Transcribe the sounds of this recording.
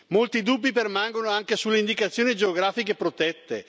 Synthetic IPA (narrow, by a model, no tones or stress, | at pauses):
molt̪id̪ubːipermaŋɡonoaŋkesulːeind̪ikat̪sːjoːnid͡ʒeoɡɾaːfik̬epɾot̪ɛt̪ːḛ